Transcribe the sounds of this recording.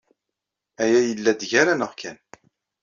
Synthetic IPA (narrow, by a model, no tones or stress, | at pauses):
æjæjəlːæd̪ʝæɾænəʁkʰæn